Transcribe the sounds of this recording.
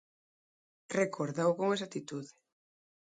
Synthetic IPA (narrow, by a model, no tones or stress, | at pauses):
rekʰoɾðawkoŋesat̪it̪uðɪ